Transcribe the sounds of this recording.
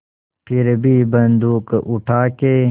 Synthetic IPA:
pʰiɾbʱiːbɐnd̪uːkʔuʈʰaːkeː

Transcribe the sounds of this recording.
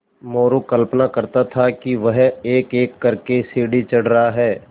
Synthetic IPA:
moːɾokɐlpnakɐɾt̪at̪ʰakiʋɐɦeːkeːkːɐɾkesiːɽit͡ʃɐɽ̤ɾɐɦaɦɛː

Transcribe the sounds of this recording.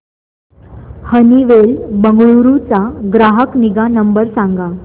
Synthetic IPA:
həniʋelbəŋɡɭuɾut͡saɡɾaɦəkniɡanəmbəɾsãŋɡa

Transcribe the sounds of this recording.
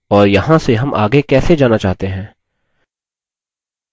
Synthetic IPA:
ɔːɾjɐɦãseɦɐmʔa̰ːɡekɛːsed͡ʒaːnat͡ʃaːɦt̪eɦɛ̃ː

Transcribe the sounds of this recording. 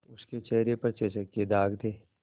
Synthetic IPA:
ʊsket͡ʃɛɦɾepɐɾt͡ʃeʃəkːed̪aːɡd̪ʰeː

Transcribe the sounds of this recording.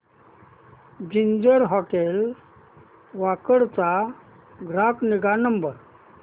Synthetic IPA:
d͡ʑiɲd͡ʑəɾɦɔʈel | ʋakəɽt͡sa | ɡʱɾakniɡanəmbəɾ

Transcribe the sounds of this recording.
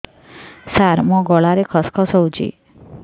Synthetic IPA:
saɾmɔ̃ɡɔɭaɾekʰɔskʰɔsɔũd͡ʒʰḭ

